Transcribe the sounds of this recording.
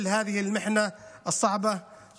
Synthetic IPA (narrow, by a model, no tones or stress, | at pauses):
lɦaːðɪhɪlmɪħnaʔɨsˤːɑʕbɑ